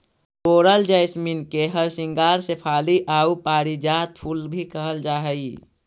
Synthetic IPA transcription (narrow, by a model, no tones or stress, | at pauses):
koːɾəld͡ʒəjsminkeɦəɾsɪ̃ŋɡaːɾsepʰaːliʔaːupaːɾid͡ʒaːt̪pʰulbʱikəɦəld͡ʒaːɦəi